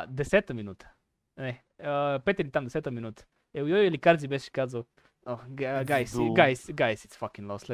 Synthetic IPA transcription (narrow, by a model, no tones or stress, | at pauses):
d̪esɛt̪ɐmĩnut̪ɐ̥ | nɛ | apet̪eɾit̪ãmd̪esɛt̪ɐmĩnut̪ɐ̥ | ewjojelikaɾzibesʃi̥kazʊ | oɡaɡajsɡajsɡajsit̪sfakĩŋlɔsle